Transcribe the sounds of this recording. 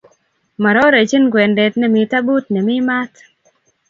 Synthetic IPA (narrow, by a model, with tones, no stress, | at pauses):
ma˨ɾɔ˦ɾe˨t͡ʃi˦nɡwɛ˨ndɛ˨tnɛ˨mɪ˨ta˦bu˦tnɛ˨mɪ˦ma˦t̪